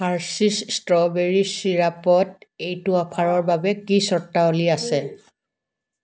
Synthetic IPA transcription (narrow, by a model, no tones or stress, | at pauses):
aɹsistɔbeɹisiɹapɔtejtʊapʰaɹɔɹbabɛkisɔɹtːaoliasɛ